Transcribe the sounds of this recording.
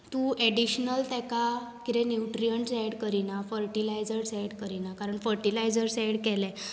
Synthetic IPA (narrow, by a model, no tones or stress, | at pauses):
t̪ũʔɛɽiɕnəlt̪ɛkakiɾɛ̃njuʈɾijəɳʈsɛɽkəɾinafəɾʈilajd͡zəɾsɛɽkəɾinakaɾəɳfəɾʈilajd͡zəɾsɛɽkɛlɛ̃